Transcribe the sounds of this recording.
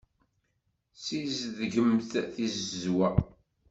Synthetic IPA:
sizðʝəmθθizəzwæ

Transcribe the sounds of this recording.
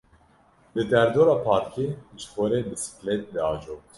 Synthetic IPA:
bɨd̪ɛɾd̪oːɾɑːpʰɑːɾkʰit͡ʃxoɾeːbɨsi̥klet̪̚d̪ɛɑːd͡ʒoːk̚t̪

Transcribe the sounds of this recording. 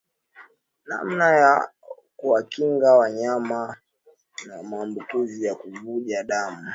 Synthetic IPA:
na̰m̩naja | kuwakiŋɡawaɲama | namaːmbukizijakuvuʄaɗamu

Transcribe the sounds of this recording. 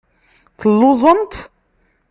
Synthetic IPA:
θəlːuzˤənt̪

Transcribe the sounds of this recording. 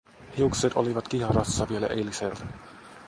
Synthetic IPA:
hiukset̪o̞̰liʋɑt̪kihrɑsːɑʋielæ̰ʔeliselt̪æ

